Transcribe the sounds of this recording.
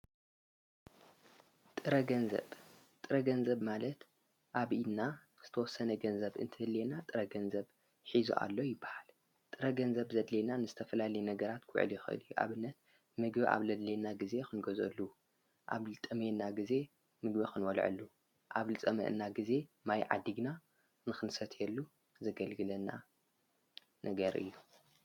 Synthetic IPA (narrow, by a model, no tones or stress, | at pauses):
t̪ʼɨɾɐɡɐnzɐ̰β | t̪ʼɨɾɐɡɐnzɐβmalɐt̪ | ʔaβinːa | z̥ɨt̪ʰɐwɔsːɐnɐɡɐnzɐβʔɨ̰nt̪ʰɨhɨd̪lenat̪ʼɨɾɐɡɐnzɐβ | ħizṵʔa̰lːo̞jɪbːḁhal | t̪ʼɨɾɐɡɐnzɐβzɐd̪lenanɨzɨt̪ʰɐfɐlalɐjnɐɡɐɾat̪kʰʊ̰ʕɨ̰ljɪxɨʔɨ̰ljuʔa̰βɨnːɐt̪̚ | mɨɡbiʔa̰βlɐd̪lenaɡize̞xɨnɡozɐ̰lːu | ʔa̰βlɨt̪ʼɨmenaɡize̞ | mɨɡbixɨnwɔlʕɨ̰lːu | ʔaβlɨt͡sʼɐmɐ̰ʔɨnːaɡize̞majʕa̰d̪iɡna | nɨxɨnsɐt̪ʰjɛlːu | zɐɡɐlɡɨlɐna | nʔɐɡɐɾʔɨ̰jːu